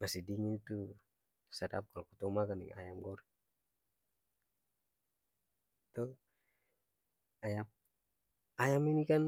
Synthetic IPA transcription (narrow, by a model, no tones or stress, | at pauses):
basidiŋint̪u | sada̰p̚kalɔkut̪ɔmakanɛ̰ŋa̰jamɡɔɾ | t̪ɔ | ajam | ajaminikan